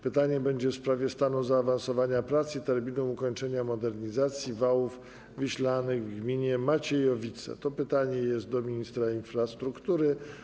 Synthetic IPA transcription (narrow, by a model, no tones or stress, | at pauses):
pɘt̪aɲɛbɛɲd͡ʑɛfspɾavʲjɛst̪anuzaːvansɔvaɲapɾat̪sit̪ɛɾmʲinuukɔɲt͡ʂɛɲamɔd̪ɛɾɲizat̪sʲjivawuf | vɘɕlanɘɣvɡmʲiɲɛmat͡ɕɛjɔvʲit̪sɛ̰t̪ɔpɘt̪aɲɛjɛst̪̚d̪ɔmʲiɲist̪ɾainfɾast̪ɾukt̪uɾɘ